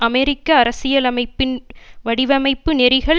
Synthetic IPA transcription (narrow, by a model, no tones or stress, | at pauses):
ɐmɛɾɪkːɐːɾɐsɪjɐlɐmɐɪpːɪnʋɐɽɪʋɐmɐɪpːɯnɛɾɪɣɐɭ